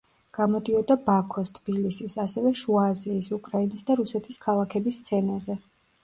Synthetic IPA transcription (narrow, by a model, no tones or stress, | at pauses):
ɡ̥amɔd̪iɔd̪abakʰɔst̪ʰb̥ilisisasɛvɛʃuaziːsukʼɾainisd̪aɾusɛt̪ʰiskʰalˠakʰɛbist̪sʰɛnazɛ